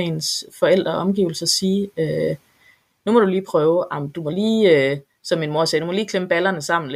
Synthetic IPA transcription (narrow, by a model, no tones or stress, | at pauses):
nsfɒ̽el̰d̥ʁɐʔɒ̽mɡ̥iːʊl̩sɐsiːø | numɒ̽ɾ̥uliːpʰʁœːʊʔɑ̈md̥umɒ̽liːø | sɒ̽mːinmo̝ɐsɛːd̥umɒ̽liːkʰlemb̥ælɐnəsɑ̈m̰n̩l